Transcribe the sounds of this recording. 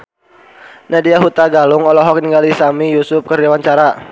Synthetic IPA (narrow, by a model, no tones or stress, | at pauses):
nadiaɦut̪aɡalʊŋɔlɔɦɔkəniŋɡalisamijusʊp̚kəriawaɲt͡ʃaɾa